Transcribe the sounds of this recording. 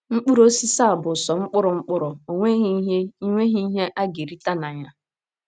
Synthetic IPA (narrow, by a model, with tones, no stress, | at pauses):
ŋ͡m̩˦k͡pu˦ɾo˦si˦sa˦˨a˨bʊ˨sɔ˨ŋ͡m̩˦k͡pʊ˦ɾʊ˨ŋ͡m̩˦k͡pʊ˦ɾʊ˨o˨ŋʷe˦ɦi˦ɦe˦i˦ŋʷe˦ɦi˦i˦ɦe˦ʔa˦ɡe˨ɾi˦ta˦na˨ɲa˦